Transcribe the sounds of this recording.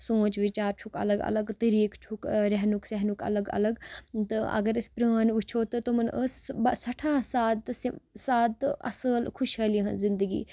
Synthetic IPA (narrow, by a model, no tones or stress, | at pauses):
sõːt͡ʃʋɪt͡ʃaːɾt͡ʃʰʊkɐ̰ləɡɐ̰ləɡt̪əɾiːkt͡ʃʰʊkɾɐɦnʊksɛɦnʊkɐ̰ləɡɐ̰ləɡt̪ɨʔɐ̰ɡəɾɪspɾəːnʋɪt͡ʃʰoːt̪ɐt̪omənʔəsbsɐʈʰaːsaːt̪saːt̪ɐ̰səlkʰʊʃɦɐːliɦɐnzɪ̃nd̪əɡḭː